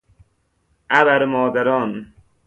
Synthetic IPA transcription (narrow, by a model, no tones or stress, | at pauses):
abaɾmɔːd̪aɾɔːn